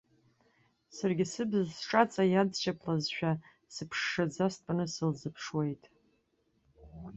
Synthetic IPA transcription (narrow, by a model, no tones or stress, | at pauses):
sarɡʲɪsɨbɨzsʈ͡ʂʼat͡sʼajadʃapʰlazʃᶣa | sɨpʰʂːad͡zastpʼanɨsɨlzɨpʰʂwe̞jtʼ